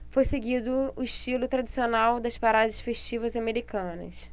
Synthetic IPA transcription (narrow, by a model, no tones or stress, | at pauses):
fojseɡid̪ʊʊɪʃt͡ʃilʊt̪ɾad͡ʒi̥sionawd̪ɐspaɾad̪ɪʃfeʃt͡ʃivɐzameɾikɐ̃nɐ̰s